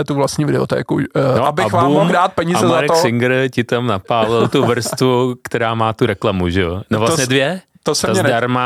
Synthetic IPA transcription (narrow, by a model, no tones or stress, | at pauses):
ɛt̪uvlastɲiːvɪdɛo̰t̪ɛ̰ːkunoʔabɪxvabmumːoɣdaːt̪̚pɛɲiːamzɛzaɾɛtoksɪŋɡɾ̩cɪt̪amnapaːlɪlt̪uvɾ̩st̪vukt̪ɛɾaːmaːt̪uɾɛklamuʒɛonovlasɲɛdvjɛ | t̪osɛt̪azɲɛdaɾma